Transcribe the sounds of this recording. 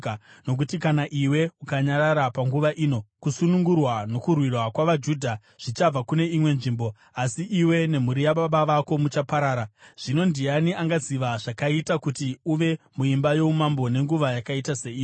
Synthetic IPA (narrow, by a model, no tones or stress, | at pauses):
no̞k̬utikanaʔiwe̞ukaɲaɾaɾapaŋɡuʋaʔiːno̞kusunuŋɡurwano̞kurwirwakwaʋad͡ʒudʱa | ʐ̥it͡ʃab͡vakune̞imwe̞nʐiːmbo̞ | asiʔiwe̞ne̞muɾijaɓaɓaʋako̞mut͡ʃapaɾaːɾaʐ̥ino̞ndianiaŋɡaziʋaʐakaitakutiuʋe̞ | muimbajo̞umambo̞ne̞ŋɡuʋajakaitase̞iːi